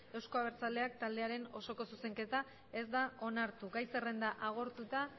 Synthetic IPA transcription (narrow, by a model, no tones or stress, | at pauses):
e̞wsko̞aβ̞e̞ɾt͡sald̪e̞ak̚t̪ald̪e̞aɾe̞no̞so̞ko̞suse̞ŋke̞t̪a | e̞zd̪ao̞naɾt̪uɡajse̞re̞nd̪aʔaɣ̞o̞ɾt̪ut̪a